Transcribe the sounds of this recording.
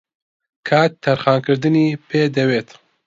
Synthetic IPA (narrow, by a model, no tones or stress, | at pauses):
kʰaːt̪ʰːɐɾxaːnkɨɾd̪ɨniːpʰeːd̪ɐweːt̪